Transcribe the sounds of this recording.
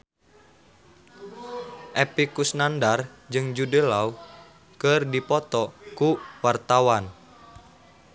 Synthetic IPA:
ʔepikusnandard͡ʒɨŋd͡ʒudəlau | kərdipɔt̪ɔkuwart̪awan

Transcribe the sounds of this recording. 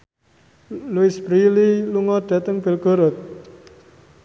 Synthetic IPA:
luisbɾililuŋɔɖ̪̥ä̤t̪əŋb̥e̤lɡ̥o̤ɾɔt̪̚

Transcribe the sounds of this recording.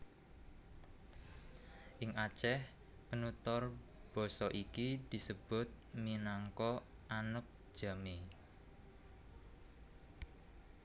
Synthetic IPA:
ʔɪŋʔat͡ʃɛh | pənut̪ɔrb̥ɔ̤sɔʔikid̪̥i̤səb̥ʊ̤t̪̚minaŋkɔ | ʔanək̚ʒ̥a̤me

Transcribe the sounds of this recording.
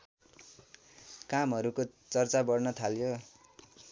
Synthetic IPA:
kamɦʌɾukot͡sʌrt͡sabʌrnʌt̪ʰaljo

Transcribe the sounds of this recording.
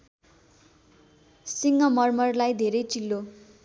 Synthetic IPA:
siŋʌmʌrmʌrlajd̪ʱeɾʌjt͡silːo

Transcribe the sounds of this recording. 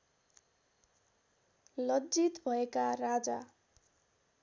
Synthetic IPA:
lʌd͡zit̪bʱʌekarad͡za

